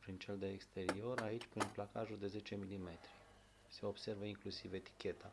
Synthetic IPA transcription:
pɾint͡ʃe̞ld̪eekst̪e̞ɾio̞ɾait͡ʃʲpɾinplakaʒuld̪e̞ze̞t͡ʃe̞milime̞t̪ɾi | se̞o̞b̥se̞rvəiŋklusive̞t̪i̥kʲe̞t̪ʰa

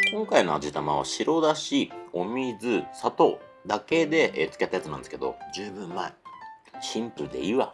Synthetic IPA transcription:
kõ̞ŋkaino̞a̰d͡ʑit̪amaβ̞a̰ɕiɾo̞ːd̪aɕio̞mʲiːd͡zɨsat̪o̞d̪ake̞d̪e̞ʔet͡sɨ̥ke̞t̪ːajat͡sɨnãnd̪eske̞d̪o̞̰d͡ʑɨːbɯ̟̃mːae | ɕĩmpɯ̟d̪e̞̰iβa

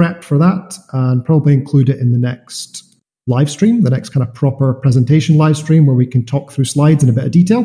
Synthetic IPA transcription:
ɛk̚tfə˞ðəʔə̃npʰɹ̥ɔbəblˠiɪ̃nkʰl̥ʉɾɪʔɪ̃nðənɛkst | lˠaɪv̥stɹ̥ĩmðənɛkskʰãɪ̃ndəv̥pʰɹ̥ɔpə˞pʰɹ̥ɛzə̃ntʰeʃə̃nlˠaɪv̥stɹ̥ĩmwə˞wikʰə̃ntʰɔk̚θɹʉslˠaɪdzɨ̃nəbɪʔə̰vditʰelˠ

